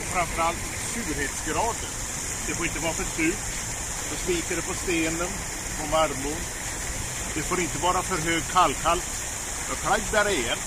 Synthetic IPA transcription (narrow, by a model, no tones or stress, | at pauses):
fɾanfœɾalt̪ | sʉːɾheːt̪sɡɾɑːd̪ən | d̪̥ɛfoːɾɪnt̪əvɑːɾafœsʉ̟ːt̪ | d̪ɔsliːkəɖɛpʰɔst̪eːnən | pʰɔmaɾmʊɳ | d̪̥ɛfoːɾɪnt̪əvɑːɾafœɾɦøːɡ̚kʰalːkʰal | fɔɾkʰɽaɡd̪æɾɛjɛn